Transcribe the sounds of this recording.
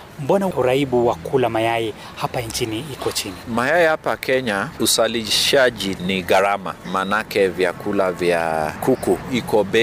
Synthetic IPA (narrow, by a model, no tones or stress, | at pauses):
m̩bɔnauɾaiɓuwakulamajaji | hapant͡ʃiniikɔt͡ʃinimajaɛhapakɛɲausaliʃaʄiniɣaɾama̰manakɛvjakulavja̰kukuikɔɓɛ